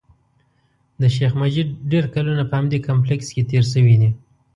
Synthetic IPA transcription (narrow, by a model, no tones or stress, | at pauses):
d̪əʃexmad͡ʒiɖeɾkalunapəhamd̪ekamp̬leksket̪eɾʃ̬əwid̪i